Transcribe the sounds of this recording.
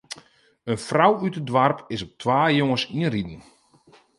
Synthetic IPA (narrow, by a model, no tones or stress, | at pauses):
ənfrawytədʋarpʰɪsɔp̚tʰʋaːjoŋəsiənridən̩